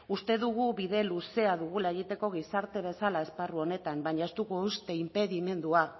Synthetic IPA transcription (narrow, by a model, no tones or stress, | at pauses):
ust̪e̞ðuɣ̞uβiðe̞luse̞aðuɣulaeɣit̪e̞ko̞ɣ̞isaɾt̪e̞β̞e̞salae̞sparuo̞ne̞t̪ambaɲae̞st̪ukoust̪e̞impe̞ðime̞nd̪ua